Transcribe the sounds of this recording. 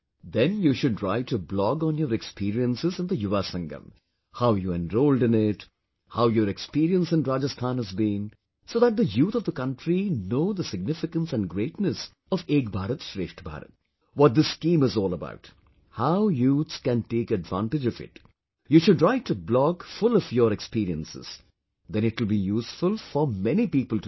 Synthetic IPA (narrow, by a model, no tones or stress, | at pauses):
d̪ɛ̃njuʃʊɖɾaɪtːublɔɡɔ̃njəːɾɛkspiːɾiə̃nsɪzɨ̃nd̪əjʊʋasʌ̃ŋɡə̰̃m | haʊjuɛ̃nɾoːlɖɨ̃nɪʈ | haʊjəɾɛkspiːɾiə̃nsɨ̃nɾaːd͡ʒəst̪ʰãːnhəzbĩn | soːðæt̚d̪əjuːt̪ʰɔvd̪əkʌ̃nʈɾinoːd̪əsɪɡ̚nɪfɪkə̃nsæ̃nɡɾeːʈnəs | ɔveːkbʱaːɾət̪ʃɾḛːʃʈbʱa̰ːɾə̰t̪̚ | wɔt̚d̪ɪskĩːmɨzɔːlˠəba̰ʊt | haʊjuːt̪skæ̃nʈeːkɨdvã̰nʈɨd͡ʒɔvɪ̰t | juːʃʊɖɹaɪtːublɔɡfʊlɔvjəɾɛkspiːɾiə̃nsɪ̰z̥ | d̪ɛ̃nɪtwəlbijuːsfʊlˠfəmɛnipiːpəlˠt